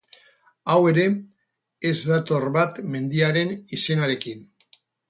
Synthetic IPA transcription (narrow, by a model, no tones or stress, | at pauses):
awe̞ɾe̞ː | zd̪at̪o̞rβat̪me̞nd̪iaɾe̞nise̞naɾe̞kin